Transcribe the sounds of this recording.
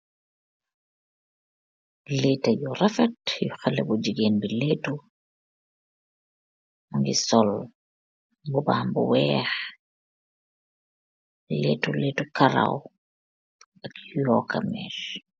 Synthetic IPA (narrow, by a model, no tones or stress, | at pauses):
leːtajurɛfɛtjuxalːɛbud͡ʒiɡeːnbileːtu | muŋɡḭsɔl | bubaːmbuwɛːx | letuleːtukaɾa̰w | akjɔkamɛ̰ːʃ